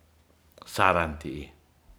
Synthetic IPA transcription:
saɾant̪iʔi

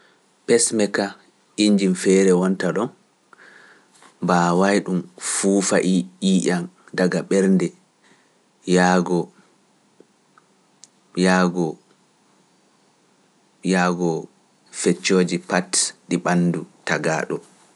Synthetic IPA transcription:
pɛsmɛka | iɲd͡ʒimfɛɾɛwɔntaɗɔn | bawajɗumfuːfaʔiiʔandaɡaɓɛɾndɛ | jaɡɔ | jaɡɔ | jaɡɔ | fɛt͡ʃːoːd͡ʒipatɗiɓanːdutaɡa̰ɗɔ

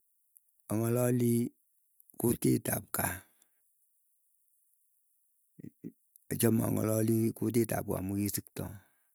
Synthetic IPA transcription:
ɔŋɔlɔli | kutitap̚ka | ɔt͡ʃɔma̰ŋɔ̰lɔlikut̬ita̰p̚ka̰mukisiktɔ

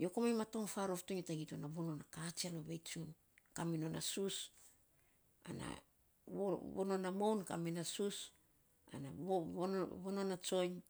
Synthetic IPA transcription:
jo̞komajmato̞ŋfaɾo̞ftoɲetaɡitonaβono̞nakat͡ʃianoβe̞jt͡ʃun | kamino̞nasus | a̰na̰ | oβono̞namownka̰minasus | a̰naoβononat͡ʃo̞jɲ

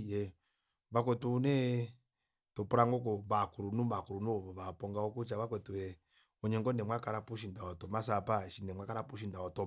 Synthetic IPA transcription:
jɛ | βak̬ɛtunɛ | tɔpuɾaŋɡɔk̬ɔmbakuɾunumakuɾunuɔβapɔŋɡaɔkut͡ʃaβakwɛtuɛ | ɔɲɛŋɡɔnɛmwakaɾapuʃindaɔtɔmasapaʃinɛmwakaɾapuʃ̬indaɔtɔ

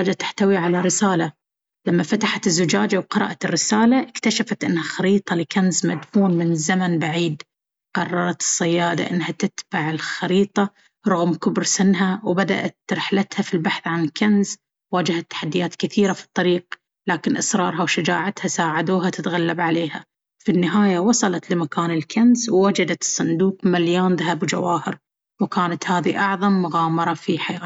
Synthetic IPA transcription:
aːd͡ʒat̪ḁħt̪awiʕalaɾɪsaːla | lamːafat̪aħat̪ɪzːʊd͡ʒaːd͡ʒawqɨɾˤɑ̰ːʔat̪ɪrːɪsaːlaʔɪkt̪aʃafat̪ʔɪnːhaxaɾiːt̪ˤɑlɪkanzmad̪fuːnmɪnzamanbaʕiːd̪ | qɑrˤːɑɾˤɑt̪ɨ̥sˤːɑjːaːd̪a̰ʔɪnːɦat̪ɪt̪baʕɪlxɑɾiːt̪ˤɑ | ɾˤʊɣmkʊbɾsɪnɦawbad̪a̰ʔat̪ɾɪħlat̪hafilbaħθʕankanz | waːd͡ʒahat̪ːḁħad̪ːɪjaːt̪kɪθiːɾafi̥t̪ˤːɑɾiːq̚ | laːkɪnʔɑsɾˤɑːɾˤhawʃɪd͡ʒa̰ːʕat̪hasaːʕad̪uːɦat̪ɪt̪ɣalːabʕaleːha | finːɪɦaːjawɑsˤɑlɑt̪lɪmakaːnɪlkʰanzwːad͡ʒad̪at̪ɨ̥sˤːɑnd̪uːqmaljoːnðahabwd͡ʒa̰waːhɪɾ | wkaːnat̪haːðiʔɑʕðˤɑmːʊɣɑːmɑɾˤɑfiħajaː

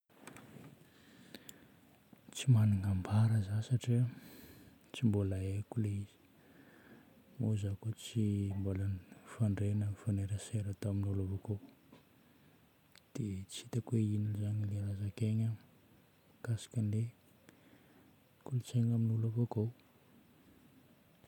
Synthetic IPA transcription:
t͡simaniŋambaɾəzasaʈ͡ʂiə | t͡simbolaekuleiz̥i̥ | mozakot͡simbolanifaɳɖ͡ʐenəfaneɾəseɾət̪aminulavoko | d̪̥et͡sit̪əkweinilizaɲileɾazakeɲə | kasḁkənle | kulut͡seŋaminulavokow

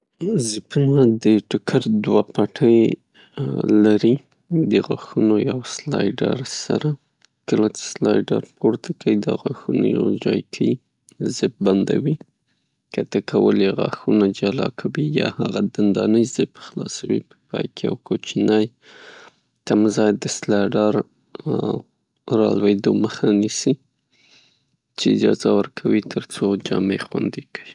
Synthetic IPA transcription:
zɪpunad̪əʈʊkʰaɾd̪wapaʈʰəj | laɾi | d̪əɣaxunojawslɑjɖa̰ɾsa̰ɾa | kəlat͡ʃe̥slɑjɖa̰ɾpʰoɾt̪ʰakawid̪aɣaxunoja̰wd͡ʒɑjkʰəj | zɪp̚band̪a̰wi | kat̪akʰawəlɣa̰xunad͡ʒalɑ̰kʰawijɑhaɣad̪and̪ɑnəjzɪbxlɑsawḭpə̥pɑjkʰea̰wkot͡ʃinaj | t̪amzɑjd̪əslɑjɖɑɾ | ɾɑlwed̪oməxanisi | t͡ʃeɪd͡ʒɑzawəɾkʰawit̪ʰəɾt͡sod͡ʒɑmexwand̪ekəi

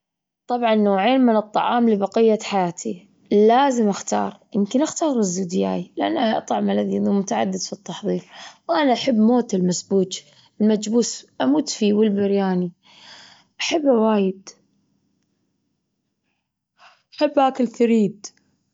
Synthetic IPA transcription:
t̪ˤɑbʕɑnːoːʕeːnmɪnɨt̪ˤːɑ̰ʕɑ̰ːmlɪbɑqɪjːaħajaːt̪ʰi | laːzɪmʔaxt̪ɑ̰ːɾˤjɪmkɪnʔaxt̪ɑːɾˤɪzːud̪ja̰ːilɪʔanːaʔʔɑ̰ʔt̪ˤɑʕmalaðɪðumʊt̪aʕa̰d̪ːɪd̪fit̪ːɑħðˤiːɾwʔanaʔaħabːmoːt̪ɪlmasbuːd͡ʒ | ɪlmad͡ʒbuːsʔamuːt̪fiwɪlbɪɾjaːni | ʔaħabːawaːjɪd̪ | ʔaħabːhaːkɪlθaɾiːd̪

